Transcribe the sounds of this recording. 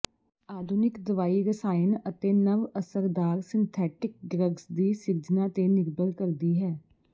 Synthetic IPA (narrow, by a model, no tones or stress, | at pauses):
aːd̪ʱʊnɪkd̪əʋaːiːɾəsaːɪnət̪eːnəʋəsəɾd̪aːɾsɪ̃nt̪ʰɛːʈɪk̚ɡɾəɡsd̪iːsɪɾd͡ʒnãːt̪eːnɪɾbəlkəɾd̪iːɦɛː